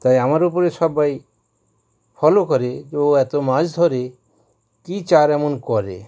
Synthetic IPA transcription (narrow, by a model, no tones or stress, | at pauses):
t̪ajamaɾupoɾeʃɔbːaj | fʰɔlokɔɾeoɛt̪omad͡ʑd̪ʱɔɾe | kit͡ɕaɾɛmonkɔɾḛ